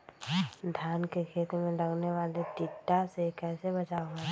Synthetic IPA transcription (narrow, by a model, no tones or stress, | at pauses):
d̪ʱjaːnkekʰeːt̪mẽɾɐɡneʋaːlet̪ɪʈːasekɛːsebɐt͡ʃae